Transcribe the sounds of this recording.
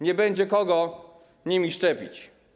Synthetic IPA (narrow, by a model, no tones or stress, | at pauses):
ɲɛbɛɲd͡ʑɛkɔɡɔ | ɲimʲiʂt͡ʂɛpʲḭt͡ɕ